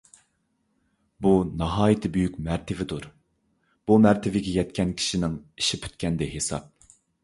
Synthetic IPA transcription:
bunɑɦɑːjɪt̪ʰɪbyjykʲmæɾt̪ʰɪvɪd̪uɾ | b̥umæɾt̪ʰɪvɪɡʲɛjɛt̪kʲɛnkʲʰi̥ʃinɪŋi̥ʃipʰy̥t̪̚kʲɛnd̪ɛɦesɑ̰p̚

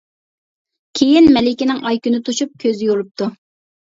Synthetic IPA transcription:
kʲʰejinmɛlɪkʲɪnɪŋɑjkʲynɨt̪ʰuʃup̚kʲʰøzjolˠup̚t̪ʰu

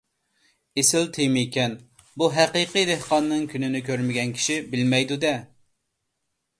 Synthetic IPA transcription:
esɪlt̪ʰejmɪkʲʰɛn | buɦæqiqijd̪ehqɑnːɨŋkʲʰynɪnɪkʲøɾmɪɡʲɛnkʲʰi̥ʃibɪlmɛjd̪ud̪ɛ

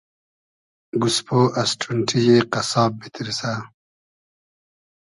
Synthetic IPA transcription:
ɡuspoʔɐsʈʰuɳʈʰijeqɐsɑːbbit̪iɾisa

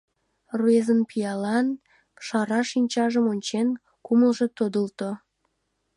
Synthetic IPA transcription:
ruezənpijɑlɑn | ʃɑɾɑʃinʲt͡ɕɑʒəmonʲt͡ɕen | kuməlˠʒĕt̪od̪əlt̪o

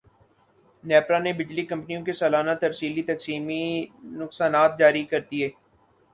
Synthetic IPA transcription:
nɛːpɾanebɪd͡ʒlikɐ̃mpnijõkesaːlaːnat̪ɐɾsiːlit̪ɐksiːminʊksaːnaːt̪̚d͡ʒaːɾikɐɾt̪ieː

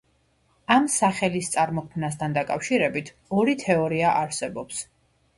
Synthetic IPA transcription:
amsaχɛlist̪sʼaɾmɔkʰmnas̬t̪ʰand̪akʼafʃiɾɛbit̪ʰ | ɔɾit̪ʰɛɔɾiaʔaɾsɛbɔps

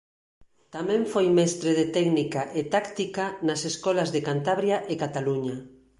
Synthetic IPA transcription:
t̪amɛ̃ɱfojmɛst̪ɾeðet̪ɛɡnikaʔet̪akt̪ikanaseskɔlazðekant̪aβɾjaʔekat̪aluɲa

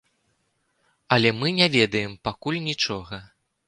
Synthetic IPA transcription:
ɐlʲɛmɨnʲavʲɛd̪ɐjɛmpakulʲnʲit͡ʂɔɣɐ

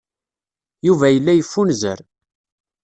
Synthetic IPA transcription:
juvæjəlːæjəfːunzə̰ɾ

